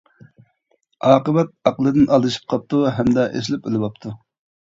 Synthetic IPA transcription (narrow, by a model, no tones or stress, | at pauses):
ɑːqəbɛt̪̚ɑqəlˠɨd̪ɨnʔɑlˠːɨʃi̥p̚qʰɑp̚t̪uɦɛmd̪ɛʔḛs̬lɪpelɪwɑp̚t̪ʰu